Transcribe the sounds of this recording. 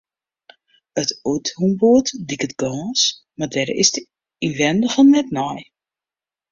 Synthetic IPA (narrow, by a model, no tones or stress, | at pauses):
ətuthumboətdikətɡ̥ɔːs | mardɛɾɪ̰sd | inʋɛndəfɔnːɛtnɔj